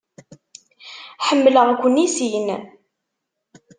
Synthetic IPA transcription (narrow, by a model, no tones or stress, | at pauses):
ħəmːləʁkʷːənːisin